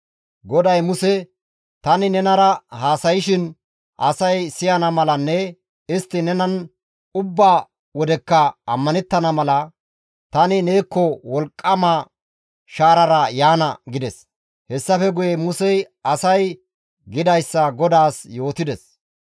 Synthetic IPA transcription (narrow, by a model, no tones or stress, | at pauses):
ɡɔd̪ɐjmʊsɛ | t̪ɐnɪnɛnɐɾɐhaːsɐjɪʃɪn | ʔɐsɐjsɪjɐnɐmɐlɐnːɛ | ɪst̪ːɪnɛnɐn | ʊbːaː | wɔd̪ɛkːɐɐmːɐnɛt̪ːɐnɐmɐlɐ | t̪ɐnɪneːkːɔwɔlkʼːɐmaː | ʃaːɾɐɾɐjaːnɐɡɪd̪ɛs | hɛsːɐfɛɡʊjɛmʊsɛj | ɐsɐj | ɡɪd̪ɐjsːɐɡɔd̪aːsjo̞ːt̪ɪd̪ɛs